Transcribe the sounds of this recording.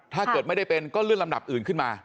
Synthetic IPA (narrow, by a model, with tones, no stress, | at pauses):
t̪ʰaː˥˩kɤ˨˩t̚ma˥˩ɗa˥˩jpe˧nkɔː˥˩lɯ˥˩əŋla˧mɗa˨˩p̚ʔɯː˨˩nkʰɯ˥˩nmaː˧